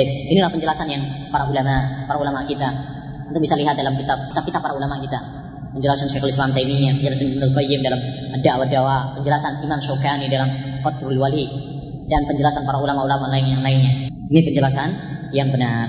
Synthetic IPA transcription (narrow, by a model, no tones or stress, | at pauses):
ip̚inilahpəɲd͡ʒəlasanjaŋpaɾaulamapaɾaulamaʔkit̪a | ənʊkbisaliɦat̪̚dalamkit̪ab̚kit̪ap̚kit̪apːaɾaulamaʔkit̪a | pəɲd͡ʒəlasansɛkɔlislamt̪ainiɲapəɲd͡ʒəlasanbənulkɔjɪmdalamadaʔwadawapəɲd͡ʒəlasanimansokanidalamkɔt̪ɾulwali | danpəɲd͡ʒəlasanpaɾaulamaʔulamaʔnlaɪnjaŋlainɲa | inipəɲd͡ʒəlasanjaŋbənar